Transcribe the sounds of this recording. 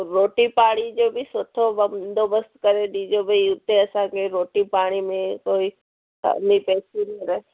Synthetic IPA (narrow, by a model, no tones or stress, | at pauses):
ɾoːʈipaːɽ̃id͡ʒoːbʱisot̪ʰobɐmd̪obəst̪kəɾeɖiːd͡ʒobʱəiʊt̪ːeɐsãkeɾoːʈipaːɽ̃imẽkoːi | ka̰nipɛːsinĩɾɐɦe